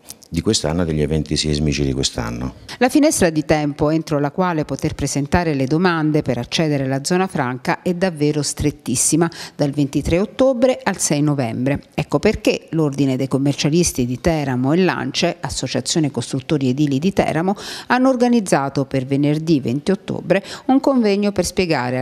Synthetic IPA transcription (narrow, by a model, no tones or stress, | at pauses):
d̪ikwest̪anːod̪eʎːevɛnt̪isizmit͡ʃid̪ikwest̪a̰nːo̰lafinɛst̪ɾad̪it̪ɛmpoent̪ɾolakwaːlepot̪erpɾezent̪aːɾeled̪omand̪epeɾat͡ʃːɛːd̪eɾelad̪zːɔːnafɾaŋkaʔɛd̪ːavːeːɾost̪ɾet̪ːisːimad̪alvent̪it̪ɾeot̪ːoːbɾeʔalsɛjnovɛmbɾeɛkːoperkelord̪ined̪ejkomːert͡ʃalist̪id̪it̪ɛːɾamoelːa̰nt͡ʃeasːot͡ʃat̪sːjoːnekost̪ɾut̪ːoːɾied̪iːlid̪it̪ɛ̰ːɾamoanːoːrɡanid̪zːaːt̪opervenerd̪ivḛnt̪iot̪ːo̰ːbɾeuŋkoɱvɛɲːoperspjeɡa̰ːɾe